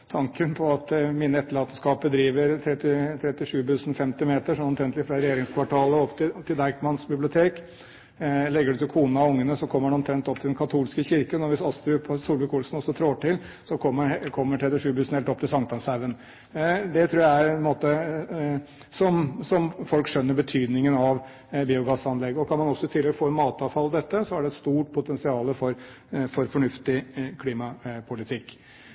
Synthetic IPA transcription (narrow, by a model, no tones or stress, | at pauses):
t̪ʰɑŋkənpʰɔɑt̪miːnːəɛt̪ːəɭɑːt̪əskɑːp̚bəd̪ɾiːʋəɾt̪ʰɾɛt̪ːɪt̪ʰɾɛt̪ɪʂʉːb̪ʉsn̩fɛmt̪ɪmeːt̪əʂɔnɔmt̪ɾɛnt̪ɪfɾɑɾɛjeːɾɪŋskʰʋɑʈʰɑːləɔpt̪ʰɪt̪ʰɪld̪ɑɪkmɑnsbɪblɪʊt̪ʰeːk | lɛɡːəɖʉt̪ɪlkʰuːnɑʊŋːənəsɔkʰɔmːəɖɛɔmt̪ʰɾɛnt̪ɔp̚t̪ʰɪlɛnkʰɑt̪ʰuːlskəçɪɾkənɔʋɪsɑst̪ɾʉːpʰɔsuːlʋəkʰuːlsn̩ɔsːɔt̪ʰɾoːʈɪl | sɔkʰɔmːəkʰɔmːəʈʰɾɛt̪ɪʂʉːbʉːsn̩hɛlt̪ɔp̚t̪ʰɪlsɑŋt̪ɑnsæɾʋən | d̪ɛt̪ʰɾuːɾjææɾɔmoːt̪ə | sɔmsɔmfɔlkʂœnːəɾbət̪ʰyːd̪nɪŋənɑʋ | biːʊɡɑsɑnlɛɡːɔkʰɑnmɑnɔsːɔɪt̪ʰɪlːɛɡfoːɛnmɑːt̪ɑʋfɑld̪ɛt̪ːəsɔæɖɛɛt̪st̪uːʈpʰʊt̪ʰɛnsɪɑːləfɔɾ | fɔɾfɔɳʉft̪ɪkʰliːmɑpʰʊlɪt̪ʰɪkː